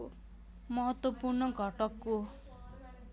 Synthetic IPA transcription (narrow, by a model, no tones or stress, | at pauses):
mʌɦʌt̪ːwʌpurnʌɡʱʌʈʌkːo